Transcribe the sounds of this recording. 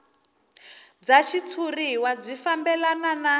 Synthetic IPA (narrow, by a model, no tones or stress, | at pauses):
d͡zaʃit͡sʰuriwab͡ʐʷifambɛlanana